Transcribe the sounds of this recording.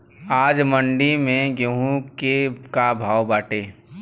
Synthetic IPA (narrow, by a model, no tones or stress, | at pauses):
aːd͡ʒməɳɖimẽɡoɦũkekabʱaːwbaːʈeː